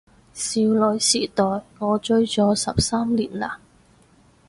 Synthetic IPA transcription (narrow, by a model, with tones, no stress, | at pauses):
siː˨˧wlɵ˨˧ɥsiː˨˩t̪ɔː˨jŋɔː˨˧t͡ʃɵ˥ɥt͡sɔː˨˧˥sɐ̰˨p̚saː˥mliː˨˩nlaː˧˨˩